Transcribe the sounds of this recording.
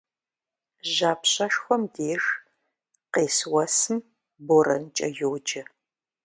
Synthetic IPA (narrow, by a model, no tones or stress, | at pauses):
ʑaːpɕʼɐʃxʷɔmdeːʒ | qeːswɐsɨm | borɐ̰nt͡ʃʼɐ̰joːd͡ʒɐ